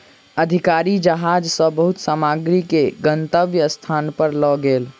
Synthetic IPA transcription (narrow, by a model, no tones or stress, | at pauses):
əd̪ʱikaɾid͡ʒəɦad͡ʒsə̃bəɦut̪saːmaɡɾikeɡənt̪əʋjəst̪ʰanpəɾlɔɡeːl